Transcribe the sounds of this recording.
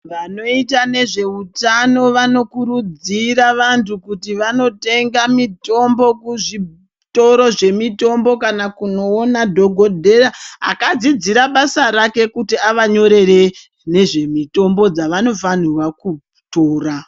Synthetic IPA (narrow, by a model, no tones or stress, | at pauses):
ʋano̞itane̞ʐe̞utano̞ʋano̞kuɾud͡ziraʋantʰukutiʋano̞te̞ŋɡamito̞mbo̞kuʐi | to̞ɾo̞ʐe̞mito̞mbo̞kanakuno̞ːnadʱo̞ɡʱo̞dʱe̞raa̰kad͡zid͡ziɾaɓasaɾake̞kutiaʋaɲo̞ɾe̞re̞ | ne̞ʐe̞mito̞mbo̞d͡zaʋano̞fanirwaku | toːra